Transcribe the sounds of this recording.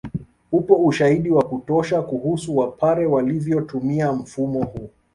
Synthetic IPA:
hupɔuʃaiɗiwakutɔʃakuhusuwapʰaɾɛwalivjɔtumiam̩fumɔhuː

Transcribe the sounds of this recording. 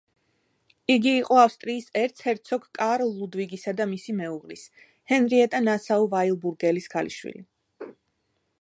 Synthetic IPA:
iɡiːqʼɔafst̪ʼɾiːsɛɾt̪sʰhɛɾt̪sʰɔkʰkʼaɾɔlːud̪viɡisad̪amisimɛuʁlḭs | hɛnɾiɛt̪ʼanasaɔvailˠbuɾɡɛlisɡʰalḭʃwḭlḭ

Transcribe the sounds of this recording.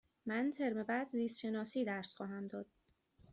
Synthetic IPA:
mænt̪ʰe̞ɾme̞bæd̪ziːst̪ʃe̞nɒːsiːd̪æɾsxɒːɦæmd̪ɒːd̪̥̚

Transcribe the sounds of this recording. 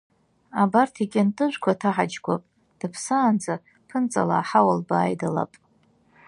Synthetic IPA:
abartʰikʲʼɪntʼɨʒᶣʷkʷʰatʰaħad͡ʒɡʷa̰pʼ | d̥ɨpʰsaːnd͡za | pʰɨnt͡sʼa̰laːħawalbaːjdala̰pʼ

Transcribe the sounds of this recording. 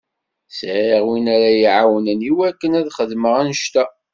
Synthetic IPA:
sʕiʁwinæɾæjiʕawənəniwækːənæðχəðməʁænəʃt̪æ

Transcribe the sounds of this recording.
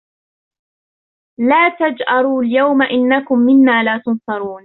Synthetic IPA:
laːt̪ad͡ʒʔɑɾˤuːljawmaʔɪnːakʊmːɪnːaːlaːt̪ʊnsɑɾˤuːn

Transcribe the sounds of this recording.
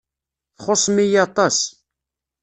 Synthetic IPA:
θχosˤmijɑt̪ˤɑs

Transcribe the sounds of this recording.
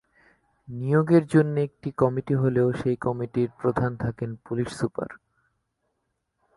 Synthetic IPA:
nijoɡeɾd͡ʑonːoek̚ʈikɔmiʈiɦoleoʃejkɔmiʈiɾpɾod̪ʱant̪ʰakenpuliʃsupa̰ɾ

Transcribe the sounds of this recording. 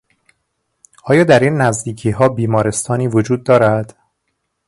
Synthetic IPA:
ʔɒːjɒːd̪æɾiːnːæzd̪iːcʰiːɦɒːbiːmɒːɾe̞st̪ʰɒːniːvod͡ʒuːd̪̚ːɒːɾæd̪̥

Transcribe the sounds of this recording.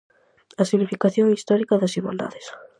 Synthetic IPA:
asiβlifikaθjoŋist̪ɔɾikaðasiɣwa̰ld̪a̰ðɪs

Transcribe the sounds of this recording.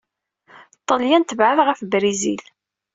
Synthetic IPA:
t̪ˤːəljænt̪əvʕəðʁæfbɾizḭl

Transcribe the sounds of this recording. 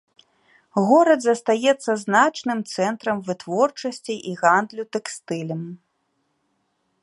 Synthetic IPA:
ɣɔɾɐd̪zɐst̪ajɛt̪sːɐznat͡ʂnɨmt̪sɛnt̪ɾɐmvɨt̪vɔrt͡ʂɐsʲt͡sʲiʔiɣand̪lʲut̪ɛkst̪ɨlʲɐm

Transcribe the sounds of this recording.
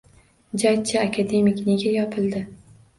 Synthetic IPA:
d͡ʒajt͡ʃʰaakʰad̪e̞mɪkʲne̞ɡʲajɒpʰɪlˠd̪ɪ

